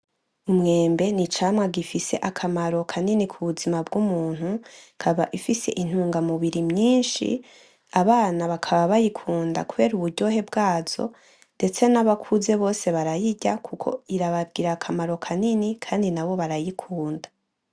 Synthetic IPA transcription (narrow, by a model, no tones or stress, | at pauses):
umŋe̞ːmbe̞nit͡ʃaːmŋaɡifise̞ʔakʰamaɾo̞kʰaninikʰuβuzimabɡumuːn̥hukʰaβaʔifise̞̰ʔin̥huːŋɡamuβiɾimɲiːnʃḭ | aβaːnaβakʰaβaβajikʰuːnda̰kuβe̞ːɾuβuɾɟo̞ɦe̞bɡaːz̥o̞̰ | nde̞t͡se̞naβakʰuze̞βo̞ːse̞βaɾajiɟakʰukʰo̞̰iɾaβab̚ɡiːɾakʰamaɾo̞kʰaninikʰaːndinaβo̞βaɾajikʰuːnda